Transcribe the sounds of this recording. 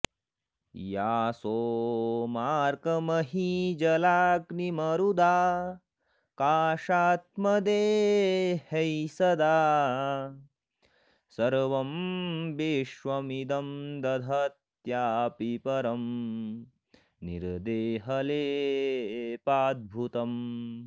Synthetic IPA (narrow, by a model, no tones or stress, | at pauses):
jaːsoːmaːɾkɐmɐɦid͡ʒɐlaːknimɐɾud̪aː | kaːʃaːt̪̚mɐd̪eː | hɐjsɐd̪aː | sɐɾʋɐmbeːʃʋɐmid̪ɐmd̪ɐd̪ʱɐt̪jaːpipɐɾɐm | nḭɾd̪eːɦɐleː | paːd̪̚bʱut̪ɐm